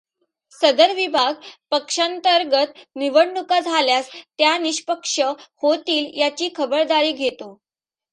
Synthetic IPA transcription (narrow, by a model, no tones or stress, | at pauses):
səd̪əɾʋibʱaɡpəkʂant̪əɾɡət̪niʋəɽɳukad͡zʱaljast̪janiɕpəkʂəhot̪iːljat͡ɕiːkʰəbəɾd̪aɾiːɡʱet̪o